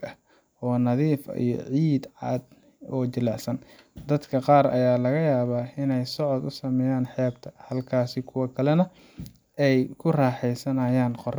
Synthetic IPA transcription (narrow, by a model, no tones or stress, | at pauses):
ɐ | ʔɔːnɐðiːfḭjɔ̰ʕiːd̪ʕɑ̰ːd̪ | ɔːt͡ʃɪlaːsɐnd̪ɐd̪kʰɐqɑːrɐ̰jaːlɐɣɐjaːβaːɪnɛjsɔʕɔd̪ʊsɐmɛjaːnħɛːb̚t̪ʰɐ̥hɐlkʰaːsɪkʰʊwɐkʰɐlɛnɐ | ɛjkʰʊraːħɛjsɐnɐjaːnqɔr